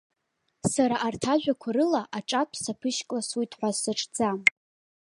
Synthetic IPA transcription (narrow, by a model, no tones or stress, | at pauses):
saɾaʔartʰaʒᶣʷakʷʰaɾɨlaʔaʈ͡ʂʼapʷʰsapʰɨʃkʼlasujtʼʰħʷasɨʈ͡ʂʼd͡zam